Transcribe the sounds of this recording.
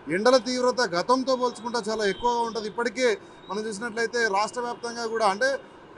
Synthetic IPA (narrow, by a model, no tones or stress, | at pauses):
iɳɖɐlɐt̪iːʋɾɐt̪ɐɡʱɐt̪ɐmt̪o̞ːpoːlt͡ʃu̥kuɳʈoːt͡ʃaːlaːekːuʋɐɡaːuɳʈund̪iipːɐʈike̞ː | mɐnɐmt͡ʃuːs̬inɐʈ̬ːlɐjt̪e̞ːɾaːʂʈɾɐʋjaːp̚t̪ɐŋɡaːkuːɽaːɐɳʈe̞ː